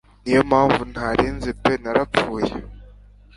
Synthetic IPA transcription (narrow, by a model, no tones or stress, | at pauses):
nijomaːɱvun̥haɾiːnzipenaɾap͡fuːjḛ